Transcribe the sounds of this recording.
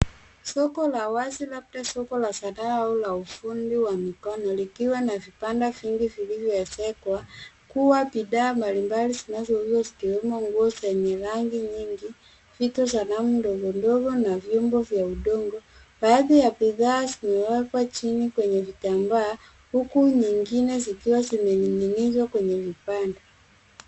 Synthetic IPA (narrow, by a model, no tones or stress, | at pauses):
sɔkɔlawazilab̚dasɔkɔlasanaaulaufundiwamikɔnɔlikiwanavipandaviŋɡivilivjɔɛsɛkwa | kuwapiɗaːmbalimbalizinazɔhijɔzi̥kiwɛmɔŋɡuɔzɛɲɛɾaŋɡiɲiŋɡi | fitɔzanamundɔɡɔndɔɡɔnavjɔmbɔvjauɗɔŋɡɔ | baːðijapiðaːzimɛwɛkwat͡ʃinikwɛɲɛvitambaː | hukuɲiŋɡinɛzikiwazimɛɲiɲinizwakwɛɲɛvipanda